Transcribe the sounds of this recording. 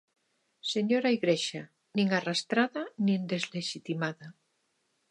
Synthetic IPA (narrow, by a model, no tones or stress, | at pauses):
seɲoɾaiɣɾeʃa | niŋarast̪ɾaðanind̪ezleʃit̪imaða